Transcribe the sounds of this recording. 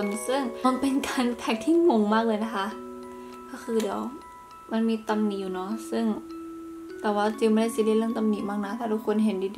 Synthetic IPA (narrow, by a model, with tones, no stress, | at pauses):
nsɯ˧˥˩ŋa˧˥npe˨nkaː˨nt̪ʰɛ˧˩k̚t̪ʰi˧˥˩mo˧˦ŋmaː˥˩k̚lɤː˧jna˧kʰa˧˥ʔ | ka˧˩kʰɯː˧di˨˦əw | ma˧˥˨nmiː˧˦t̪a˧mniː˧˨juː˧˨˩nɔ˧˥sɯ˧˥˩ŋ | t̪ɛː˨˩waː˧˩t͡ɕi˧˩˨bɔː˧ɾa˧˥˨jsi˧˦di˧˥˨lɤ˧˥˩mt̪a˧mniː˧˨˩maː˧˥˩k̚na˧˩t̪ʰaː˧˩t̪u˧˥kʰːo˧˥˨nɦe˨˦ndiː˧di˧